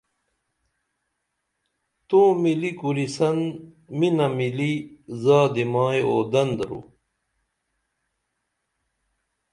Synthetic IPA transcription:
t̪oːmilikuɾisɐn | minɐmilizaːd̪imaːjoːd̪ɐnd̪ɾṵ

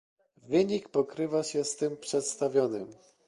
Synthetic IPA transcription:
vɘɲikpɔkɾɘvaɕɛst̪ɘmpʂɛt̪st̪avʲjɔnɘm

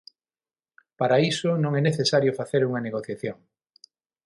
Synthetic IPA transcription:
paɾaisʊnõŋɛneθesaɾjofaθeɾuŋɐneɣoθjaθjoŋ

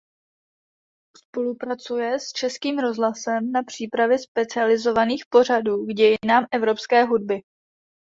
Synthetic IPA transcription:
spo̞lupɾat͡sujɛst͡ʃɛskiːmɾo̞zɦlasɛmnapr̝̥iːpɾavjɛspɛt͡sɪalɪzo̞vaniːxpo̞r̝aduːɡɟɛjɪnaːmʔɛvɾo̞pskɛːɦud̚bɪ

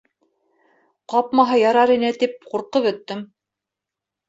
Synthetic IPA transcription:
qɑpmɑɦɑjɑɾɑɾinɘt̪ip̚quɾqɤβɵ̆t̪ːɘm

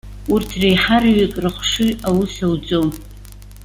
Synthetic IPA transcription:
urtʰrejħarɥɪkʼrɨχʷʂɨawusawd͡zʼom

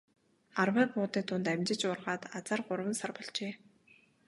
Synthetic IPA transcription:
arweːpʊːt̪iːt̪ʰʊnt̪aæmʲt͡ɕɪ̆t͡ɕʊrʁaːt̪at͡saːrɢʊɾwə̆nsarpɔɮt͡ɕeː

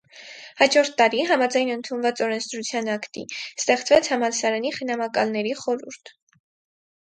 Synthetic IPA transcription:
hɑd͡ʒɔɾt̪ʰːɑɾiɦɑmɑd͡zɑjnənt̪ʰunvɑt͡sɔɾɛnt͡sʰd̪ɾut͡sʰjɑnɑkt̪ḭst̪ɛχt͡svɛt͡sʰhɑmɑlsɑɾɑniχənɑmɑkɑlnɛɾiχɔɾuɾt̪ʰ

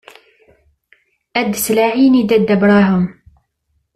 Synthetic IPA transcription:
ʔæd̪slaʕinid̪æd̪ːæbɾˤɑɦʊm

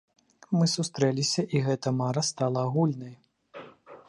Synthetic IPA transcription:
mɨsust̪ɾɛlʲisʲɐʔiɣɛt̪ɐmaɾɐst̪alˠɐːɣulʲnɐj

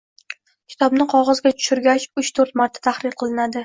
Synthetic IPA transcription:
kʲʰɪ̥t̪ʰɒbnɪqʰɒʁɒzɡʲat̪ʰʊ̥ʃʊɾɡʲat͡ʃʊt͡ʃt̪ʰoɾt̪maɾt̪ʰḁt̪ʰahɾɪɾqʰɨlˠɪnad̪ɪ

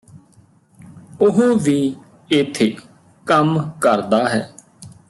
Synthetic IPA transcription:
ʊɦõːʋiː | ɪt̪ʰːeː | kəmkəɾd̪aːɦɛː

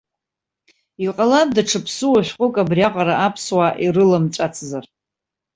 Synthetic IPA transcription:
iqʼalab̚daʈ͡ʂʰɨpʰsɨwaʃʷᶣqʷʼʊkʼabriaqʼaɾaʔapʰswaʔirɨlamʈ͡ʂʼat͡sʰzar

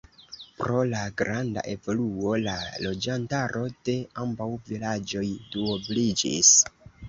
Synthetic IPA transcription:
pɾo̞laɡɾanda̰ʔe̞vo̞luo̞lalo̞d͡ʒantaɾʔo̞de̞ambawvilad͡ʒo̞jduoblid͡ʒḭs

